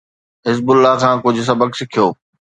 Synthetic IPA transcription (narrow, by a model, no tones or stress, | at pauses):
ɦɪzbʊlːaɦkʰãːkʊd͡ʑʱʊs̬ɐbəksɪkʰijoː